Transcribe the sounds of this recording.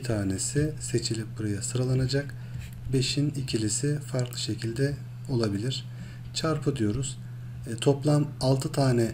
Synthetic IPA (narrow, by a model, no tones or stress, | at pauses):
t̪ʰaːne̞sise̞t͡ʃʰilʲip̚buɾajasɯɾalˠanad͡ʒak | be̞ʃinicʰilʲisifaɾklˠɯʃe̞cʰilʲd̪ɛ | o̞lˠabilʲiɾ̥ | t͡ʃʰaɾpʰɯd̪ijo̞ɾuz̥ | t̪ʰo̞plˠanalˠt̪ʰɯt̪ʰaːnɛ